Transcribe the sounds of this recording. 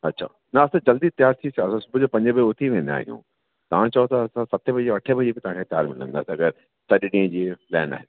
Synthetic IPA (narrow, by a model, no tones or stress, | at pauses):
ɐtːɕʰa̰ː | nɐɐsãd͡ʑɐld̪it̪ɪjaːɾt̪ʰisɐsãsʊbʱʊd͡ʑopɐ̃ɲd͡ʑəbʊt̪ʰiʋẽːnd̪a̰ːɦḭjṵ̃ː | t̪ɐʋ̤ãt͡ɕɐot̪ɐːsãsɐt̪ʰebʱɐd͡ʑeʋɐʈʰebʱɐd͡ʑibɪt̪ɐʋ̤ãkʰet̪ɪja̰ːɾmɪlə̰̃nd̪a̰ːsɐɡəɾ | sɐɗɗĩːə̃d͡ʑiːlɛ̰ːna̰ːɦɪn